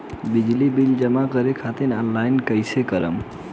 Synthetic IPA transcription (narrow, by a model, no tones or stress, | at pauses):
bid͡ʒlibild͡ʒəmakəɾekʰat̪inɔnlajnkəjsekəɾə̰m